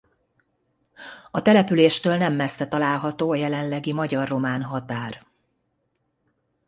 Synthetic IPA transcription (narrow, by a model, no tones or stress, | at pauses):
ɒt̪ɛlɛpyleːʃt̪øːlnɛmːɛsːɛt̪ɒlaːlɦɒt̪oːɒjɛlɛnlɛɡimɒɟɒrːo̞maːnɦɒt̪aːr